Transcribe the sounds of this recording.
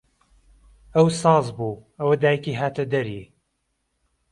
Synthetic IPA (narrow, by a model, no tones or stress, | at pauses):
ɐwsɑːzbuːɐwɐd̪aːjkiːɦaːt̪ɐd̪ɐɾi